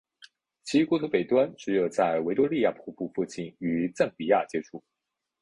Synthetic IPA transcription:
t͡ɕʰi˧˥kwɔ˥t̪ʰu˧˥pe˨˩ɪt̪wa˥nʈ͡ʂɻ̩˧˥jo˨˩ʊt͡sa˥˩ɪwe˧˥ɪt̪wɔ˥li˥˧ja˥˩pʰu˥˩pu˥˧fu˥˧t͡ɕi˥˩ny˨˩˦t͡sə˥˩npi˨˩ja˥˩t͡ɕjɛ˥ʈ͡ʂʰu˥˩

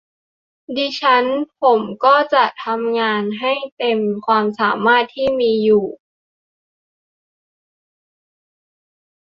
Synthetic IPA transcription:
diː˧t͡ɕʰa˦˥npʰo˩˦mkɔː˥˩t͡ɕa˨˩ʔt̪ʰa˧mŋaː˧nɦa˥˩jt̪e˧mkʰwaː˧msaː˩˦maː˥˩t̪ʰːiː˥˩miː˧juː˨˩

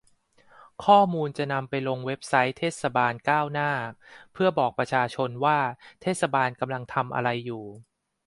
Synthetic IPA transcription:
kʰɔː˥˩muː˧nt͡ɕa˨˩na˧mpa˧jlo˧ŋwe˦˥p̚sa˦˥jt̪ʰeː˥˩t̪̚sa˧baː˧nkaː˥˩wnaː˥˩pʰɯ˥˩ɐbɔː˨˩k̚pɾa˧t͡ɕʰaː˧t͡ɕʰo˧nwaː˥˩t̪ʰeː˥˩t̪̚sa˧baː˧nka˧mla˧ŋt̪ʰa˧mʔa̰˧ɾa˧jːuː˨˩

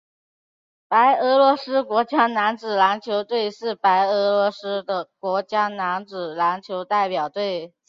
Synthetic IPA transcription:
pa˧˥ɪɤ˧˥lwɔ˧˥sɹ̩˥kwɔ˧˥t͡ɕjɑ˥na˧˥nt͡sɹ̩˨˩la˧˥nt͡ɕʰjo˧˥ʊt̪we˥˧ɪʂɻ̩˥˩pa˧˥ɪɤ˧˥lwɔ˧˥sɹ̩˥d̪ə˨kwɔ˧˥t͡ɕjɑ˥na˧˥nt͡sɹ̩˨˩la˧˥nt͡ɕʰjo˧˥ʊt̪a˥˩ɪpjɑ˨˩ʊt̪we˥˩ɪ

